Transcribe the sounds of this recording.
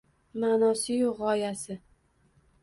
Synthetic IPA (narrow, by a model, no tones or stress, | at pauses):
manɒsɪjoʁɒjasɪ